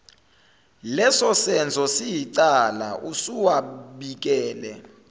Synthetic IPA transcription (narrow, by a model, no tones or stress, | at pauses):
lɛsɔsɛnt͡sʰɔsijitʼala̰ʔusuwaɓik̬ʼɛːlɛ̰